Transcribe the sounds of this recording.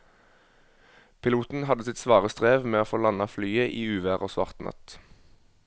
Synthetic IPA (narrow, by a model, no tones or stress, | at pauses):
pʰɪluːt̪n̩hɑd̪əsɪt̪sʋɑːʁəst̪ʁeːʋmeːoːfoːlɑnɑflyːəʔiːʉːʋæːʁoːsʋɑ̰ʁt̪nʔɑ̰t̪